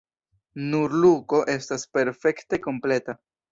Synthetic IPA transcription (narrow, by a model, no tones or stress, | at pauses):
nuɾluko̞ʔe̞staspe̞ɾfe̞kte̞ko̞mple̞ta